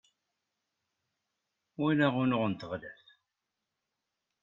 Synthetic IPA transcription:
winæʁunʊʁənt̪əʁlæθ

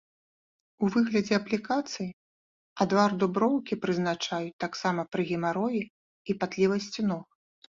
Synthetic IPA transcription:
uvɨɣlʲɐd͡zʲɛɐplʲikat̪sɨji | ad̪vard̪ubɾɔwkʲipɾɨzn̪at͡ʂajut̪aksamɐpɾɨɣʲimaɾɔji | ipat̪lʲivɐsʲt͡sʲinɔx

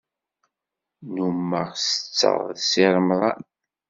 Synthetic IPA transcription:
numːəʁsə̥t͡sːə̰ʁˤðsiɾˤmðˤɑ̰n

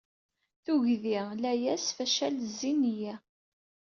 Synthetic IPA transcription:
θuʝðilæjæsfæʃælzːinjæ

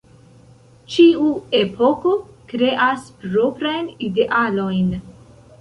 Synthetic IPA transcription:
t͡ʃiuepʰo̞ko̞kɾe̞ʔaspɾo̞pɾajnide̞ʔalo̞jn

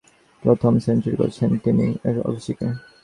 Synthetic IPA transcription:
pɾot̪ʰomsentoɾiko̰ɾt͡ɕʰent̪inieɾɔ̰biʃike

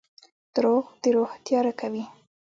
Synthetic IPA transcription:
d̪̥ɾoɣd̪̥əɾoht̪jɑɾakawi

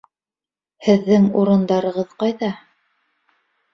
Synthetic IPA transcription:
hɘ̆ðːɘŋuɾɤ̆nd̪ɑɾɤ̆ʁɤðqɑjðɑ

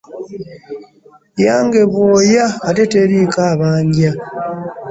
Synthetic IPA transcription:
jaːŋɡeβwoːjaːteteɾiːkaβaːɲɟja

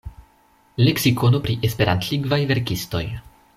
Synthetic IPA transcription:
leksiko̞nopɾiʔe̞spe̞ɾa̰nt̪liŋɡvajve̞ɾkisto̞̰j

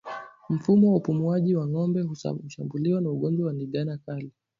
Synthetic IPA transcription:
m̩fumɔwaupumuaʄiwaŋɔmbɛṵuʃambuliɔnauɠɔnd͡ʒwawaniɠanakali

